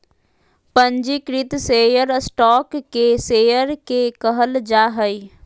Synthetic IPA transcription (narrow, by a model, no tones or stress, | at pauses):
pə̃ɲd͡ʒikɾɪt̪seːjəɾsʈɔːkːeseːjəɾkekəɦəld͡ʒaːɦəi